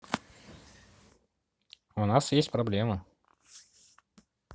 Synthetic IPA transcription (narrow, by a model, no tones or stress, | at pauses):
ʊnasjesʲtʲpɾɐblʲemə